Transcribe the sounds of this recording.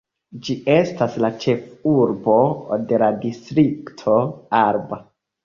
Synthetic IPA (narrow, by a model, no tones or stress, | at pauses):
d͡ʒie̞staslat͡ʃe̞fuɾbo̞de̞ladistɾiktʰo̞aɾba